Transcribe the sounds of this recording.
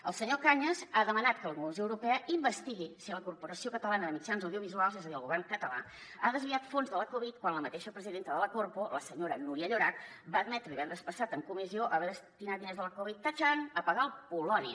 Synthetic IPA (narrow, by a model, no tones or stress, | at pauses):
ə̰lˠsəɲokaɲəzaðəmənat̪kələkunuuzioəwɾupɛəimbəst̪iɣisiləkurpuɾəsiokət̪əlanəðəmit͡ʃanzəwðiuβizualˠzɛzəðiəlˠɣuβɛrŋkət̪əla | aðəzβiat̪fonzðələkuβit̪̚kwanləmət̪eʃəpɾəziðent̪əðələkorpoləsəɲoɾənuɾiəʎuɾak̪̚ | baəd̪mɛt̪ɾəiβɛnd̪əspəsat̪əŋkumizioʔəβɛðəst̪inat̪̚inezðələkuβit̪ːaʒanəpəɣaəlˠpulɔniə